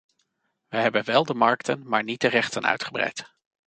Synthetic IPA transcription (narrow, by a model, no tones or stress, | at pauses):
ʋəɦɛbənʋɛlˠdəmɑɹktʰənmaːɹnit̚dərɛχtənœ̰ɥtχəbrɛ̰jt